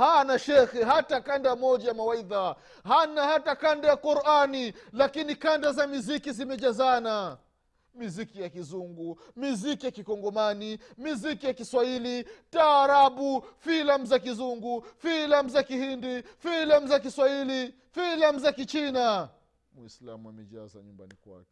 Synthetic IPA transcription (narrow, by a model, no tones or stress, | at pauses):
hanaʃɛxɛɦatakandamɔʄajamawaiða | hanahatakandajakuɾʔanilakinikandazamizikizimɛʄazana | mizikijakizuŋɡu | mizikijakikɔŋɡɔmanimizikijakiswailitaːɾaɓufilam̩zakizuŋɡufilam̩uzakihindifilam̩zak̬iswahili | filam̩zakit͡ʃina | mwḭsla̰mua̰mɛʄa̰za̰ɲumba̰nikwa̰kɛ̥